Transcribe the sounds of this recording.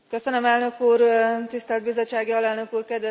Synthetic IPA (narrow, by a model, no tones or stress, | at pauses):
køsønømɛlnø̞kuːrt̪ist̪ɛld̪bizot͡ʃt͡ʃːaːɡjɒlɛlnøkuːrkɛd̪ʋɛ